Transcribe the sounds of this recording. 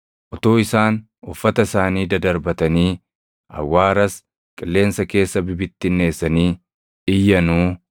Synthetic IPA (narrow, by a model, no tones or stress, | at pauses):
ʔɔt̪o̞ːɪsaːn | ʊfːɐt̪ɐsaːniːd̪ɐd̪ɐɾbɐt̪ɐniː | ʔɐ̰wːaːɾɐs | kʼɪlːe̞ːnsɐke̞ːsːɐbɪbɪt̪ːɪnːe̞ːsːɐniː | ɪjːɐnuː